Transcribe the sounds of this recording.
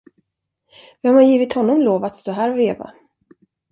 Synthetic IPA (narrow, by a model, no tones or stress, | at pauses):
vɪhamhanjiːvɪt̪hɔnːɔmloːvat̪st̪oːɦæːɾveːva̰